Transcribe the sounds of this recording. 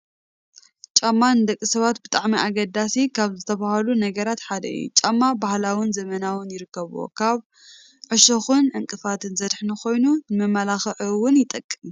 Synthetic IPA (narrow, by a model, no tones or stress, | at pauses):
t͡ʃʼamːanɨd̪ɐkʼːisɐβat̪bɨt̪ʼaʕmiʔaɡɐd̪asikʰaβzɨt̪ʰɐβahɐlunɐɡɐɾat̪ħad̪ɐ̰ʔḭjṵt͡ʃʼamːabahlawɪnzɐmɐnawʊnjɪɾɨkːɐβwo̰kʰaβ | ʕɨʃɐxunʕɨŋkʼɨfat̪ʰɨnzɐd̪ħnɐxo̞jnunɨmɐmːalaxɐʕuwʊnjɪt̪ʼɐkʼːɨm